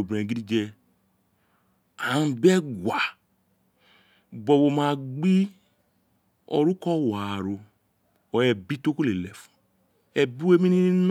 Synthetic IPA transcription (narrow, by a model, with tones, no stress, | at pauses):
o˨bɾɛ̃˨ɡi˦i˦d͡ʒɛ˦ | a˨n˨bɛ˦ɡwa˨ | bɔ˨bo˨ma˨ɡ͡bi˦ | ɔ̰˨ɾu˦kɔ˦wa˨ɾo˨ | ɔ˨jɛ˨bi˦to˦ku˦le˨lɛ˨fu̥˨ | ɛ˨bi˦we˦mi˦ni˦i˦m